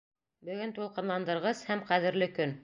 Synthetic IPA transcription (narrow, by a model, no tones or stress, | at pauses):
bɵ̆ɡɵnt̪ulˠqɤ̆nlˠɑnd̪ɤ̆ɾʁɤshæmqæðɘ̆ɾlɘkɵn